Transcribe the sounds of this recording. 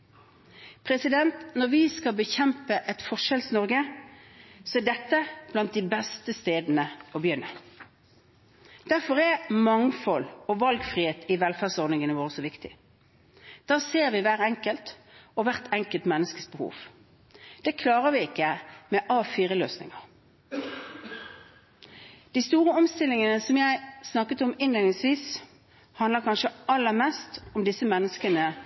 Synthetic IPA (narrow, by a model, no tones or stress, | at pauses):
pʰʁɛsɪd̪ɛnt̪nɔʁʋɪskɑlbəçɛmpəʔɛt̪fɔʂɛlsnɔʁɡə | sɔɛɖɛt̪ːəb̥lɑnt̪̚d̪ɪbɛst̪əst̪eːd̪nəɔbəjʏnːə | d̪̥æʁfɔʁɛmɑŋfɔlɔʋɑlɡfʁiːheːt̪ʰɪʋɛlfæʁsɔʁd̪nɪŋənəʋoːʁəsɔʋɪkt̪ɪ̰ | d̪̥ɑːseːʁʋɪʋæːɾɛŋkəlt̪ɔʋæʁt̪ʰɛŋkəlt̪mɛnːəskəsbəhṵːʋ | d̪̥ɛkʰlɑːʁəʋɪɪkːəmɛʔɑːfiːʁəløːsnɪ̰ŋɑʁ | d̪̥iːst̪uːʁəɔmst̪ɪlːɪŋənəsɔmjæɪsnɑkːət̪ɔmɪneːnɪŋsʋiːs | hɑnd̪ləkʰɑnʃəʔɑlːəʁmɛst̪ɔmd̪ɪsəmɛnːəskənə